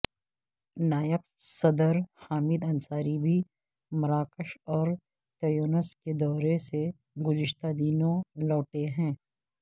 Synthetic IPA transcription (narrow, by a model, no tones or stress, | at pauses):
naːjəp̚ | sɐd̪əɾhaːmɪd̪ɐ̃nsaːɾibʱi | mɐɾaːkəʃɔːɾ | t̪ɐjoːnəsked̪ɔːɾese | ɡʊd͡ʒɪʃt̪ad̪iːnõlɔːʈeɦɛ̃ː